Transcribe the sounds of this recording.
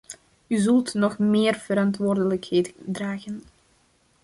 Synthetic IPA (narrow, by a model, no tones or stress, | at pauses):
yzɵlˠtnɔxmeːrv̥əɾɑntʋoːrdələkhejtdraːɣən